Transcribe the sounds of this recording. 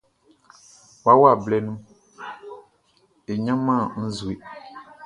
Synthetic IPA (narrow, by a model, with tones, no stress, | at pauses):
wa˦wa˦˨blɛ˦nũ˦ | e˨ɲã˦mã˦˨˦n̩˦zu˨e˨